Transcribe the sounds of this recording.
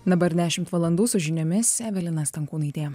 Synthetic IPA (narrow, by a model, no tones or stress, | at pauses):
d̪ɐbɐɾd̪ʲæːʃʲɪmt̪ʋɐlˠɐnd̪uːsʊʒʲɪnʲomʲɪsʲsʲæːʋʲɛlʲɪnɐst̪ʲɐŋkuːnɐɪt̪ʲeː